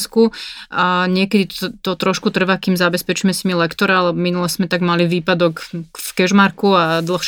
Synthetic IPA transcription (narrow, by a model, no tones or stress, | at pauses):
skuaɲɪɛkɛd̪it̪ɔt̪ɾɔʃkut̪r̩ʋakiːmzabɛspɛt͡ʃimɛsimilɛkt̪ɔɾaalɛbminulɛszmɛt̪aɡmaliʋiːpad̪ɔkfkɛʒmaɾkuad̪l̩xʃ